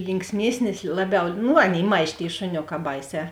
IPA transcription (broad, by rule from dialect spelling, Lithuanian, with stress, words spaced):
lʲɪŋksʲˈmʲiɛsʲnʲɪs ˈlˠɑːˌbʲɛʊ ˈnʊ ˈɑːˌnʲeːɪ ˈmɐʃʲ tʲeːɪ ʃʊˈnʲoːˌkɑː ˈbɐɪˌsʲɛː